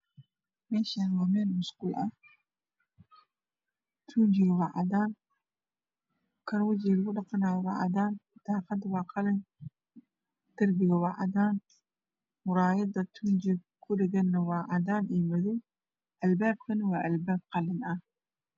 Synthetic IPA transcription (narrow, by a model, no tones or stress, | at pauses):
mɛːʃanwaːmɛːnmʊskʊlʔɐ | t̪ʰund͡ʒɪɣwɑʕɑd̪aːn | kʰɐɾwɐd͡ʒilɣʊɖɑqɑnaːjwɑ̰ʕɑ̰d̪aːnt̪ʰaːqɑd̪wɑːqɑlɪn | d̪̥ɐrbɪɣɐwɑʕɑ̰d̪aːn | mʊɾɑːjɐd̪ɐt̪ʰund͡ʒɪ | kʰʊɖɪɣɐnːɐwɑːʕɑd̪aːnʔiːmɐðʊ | ʔɐlbaːb̚kʰɐnɪwɑːʔɐlbaːb̚qɑlɪnʔɐ